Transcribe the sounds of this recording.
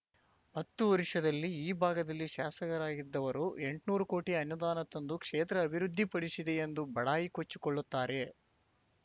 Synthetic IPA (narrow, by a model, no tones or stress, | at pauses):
hɐt̪ːuʋɐɾiʂɐd̪ɐlːiiːbʱaːɡɐd̪ɐlːiʃaːsɐɡɐɾaːɡid̪ːɐʋɐɾue̞ɳʈnuːɾuko̞ːʈiɐnjud̪aːnɐt̪ːond̪ukʂeːt̪ɾɐːbʱiɾud̪ʱːipɐɽisid̪e̞end̪ubɐɽaːjikot͡ʃːi̥koɭːut̪ːaːɾe̞